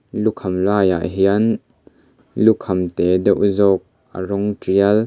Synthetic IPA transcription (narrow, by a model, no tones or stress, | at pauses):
lukʰɐmlaːja̰ʔɦiɐn | lukʰɐmt̪ɛdɐʔuzɔk̚ | ʔə̰rɔŋtiɐl